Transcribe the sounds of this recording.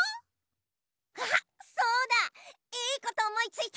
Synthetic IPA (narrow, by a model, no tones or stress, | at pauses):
hsoːd̪a | iːko̞t̪o̞ːmo̞it͡sɨit̪